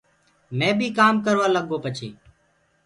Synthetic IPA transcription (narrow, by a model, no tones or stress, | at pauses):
mẽːbʱiːkaːmkəɾʋaːləɠoːpət͡ʃḛː